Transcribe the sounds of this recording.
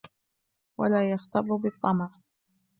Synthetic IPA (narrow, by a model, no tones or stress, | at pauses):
walaːjɑxt̪ɑɾˤːʊbɨt̪ˤːɑmɑɾˤ